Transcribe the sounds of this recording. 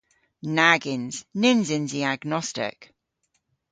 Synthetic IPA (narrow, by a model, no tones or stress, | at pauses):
naɡɪ̃nz̥nɪnzɪ̃nziaɡnɒstɪ̰k